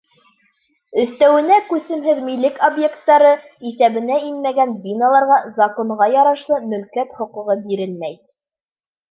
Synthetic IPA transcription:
ɵ̆θt̪æwɘ̆nækʉsɘ̆mɦɘðmilɘkobje̞kt̪ːɑɾɤ | iθæβɘ̆næinmæɡænbʲinɑlˠɑɾʁɑzɑkoɴʁɑjɑɾɑʃlˠɤmɵ̆lkæt̪χŏqŭʁɤbiɾɘlmæj

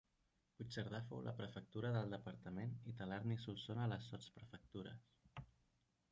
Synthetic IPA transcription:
pusəɾðafo̰wlʔə̰pɾəfək̚t̪uɾəðəlˠd̪əpəɾt̪əmenit̪alaɾnisulˠsonaləsːot͡spɾəfək̚t̪uɾə̰s

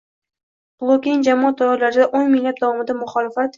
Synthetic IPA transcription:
b̥lˠokʲeŋd͡ʒamɒt̪ʰɒɾɒɾlaɾɪd̪aʔonmɪŋlːap̚d̪avɒmɪd̪amʊχɒlɪfat̪

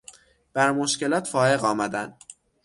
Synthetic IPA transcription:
b̥æɾmoʃce̞lɒːt̪fɒːje̞ɣɒːmæd̪ænd̪

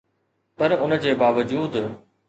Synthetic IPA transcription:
pɐɾʊnə̆d͡ʑeːbaːʋəd͡ʑuːd̪

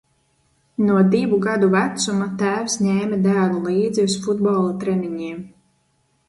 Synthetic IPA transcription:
nuɔd̪ivuɡad̪uvæt̪sumat̪æːwsɲɛːmʲɛd̪æːnulˠiːd̪ziusfud̪bɔːlˠat̪ɾɛniɲiɛm

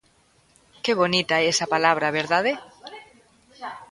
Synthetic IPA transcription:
keβonit̪aɛɛsapalaβ̞ɾaβeɾðaðe

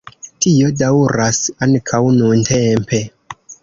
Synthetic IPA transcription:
tio̞dauɾasaŋkʰawnuntempe̞

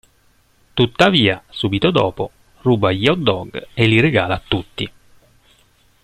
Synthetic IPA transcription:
t̪ut̪ːaviːasuːbit̪od̪ɔ̰ːpo | ruːbajɔd̪ɔɡelːiɾeɡaːlat̪ːut̪ːi

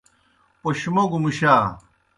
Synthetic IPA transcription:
poɕmoɡumuɕaː

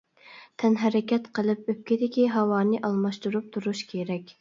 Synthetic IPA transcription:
t̪ʰɛnɦɛɾɪkʲɛt̪qʰəlˠɨp̚øp̚kʲɪd̪ɪkʲiɦɑwɑːnɨʔɑlˠmɑʃt̪uɾup̚t̪ʰuɾuʃkʲʰeɾɛkʲ

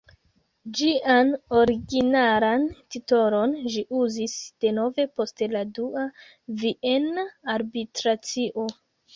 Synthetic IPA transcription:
d͡ʒiano̞ɾiɡinaɾantito̞ɾo̞nd͡ʒiʔuzisd̥e̞no̞ve̞po̞steladua | viʔenaaɾbitɾat͡siʔo̞

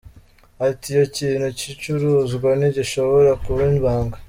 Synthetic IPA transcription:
atijociːnhucit͡ʃuɾuːzɡwaniɟiʃo̞βo̞ɾakuβinβaːŋɡa

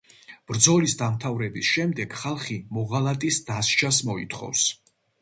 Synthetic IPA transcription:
b̥ɾd̪zɔlisd̪amt̪ʰavɾɛbisʃɛmd̪ɛɡ̥χalˠχimɔʁalˠat̪ʼisd̪ast͡ʃʰasmɔḭt̪ʰχɔ̰fs

